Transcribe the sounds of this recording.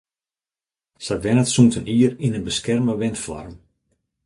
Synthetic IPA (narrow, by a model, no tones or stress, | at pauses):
saʋɛnətsuŋtəniərinənbəskɛrməʋɪntfɔ̰rm